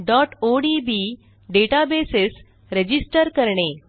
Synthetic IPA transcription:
ɖɔʈoɖibi | ɖeʈabeses | ɾed͡ʑisʈəɾkəɾɳe

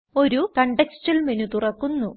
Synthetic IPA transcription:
o̞ɾukɐɳɖeksʈɐlmenut̪urɐkːunːu

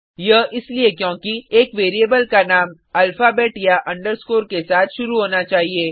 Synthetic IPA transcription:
jɐɦɪsliekjõːkieːkʋeːɾiəbəlkanaːm | ɐlfaːbɛːʈjaʔɐ̃ɳɖəɾskoːɾkesaːt̪ʰʃʊɾuɦoːnat͡ʃaːɦieː

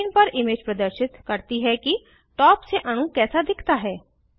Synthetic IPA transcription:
npəɾɪmeːd͡ʒpɾəd̪əɾʃɪt̪kəɾt̪iːɦɛːkɪ | ʈɔːpseʔəñũːkɛːsaːd̪ɪkʰt̪aːɦɛː

